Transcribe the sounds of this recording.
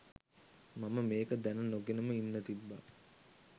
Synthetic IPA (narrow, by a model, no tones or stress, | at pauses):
maməmeːkəd̪ænənoɡenəməinːət̪ibːa̰